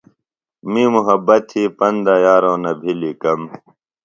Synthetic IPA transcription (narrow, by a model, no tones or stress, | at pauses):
miːmuɦɐbɐt̪hiːpɐnd̪ajaːɾõːnɐbʱiliːkɐm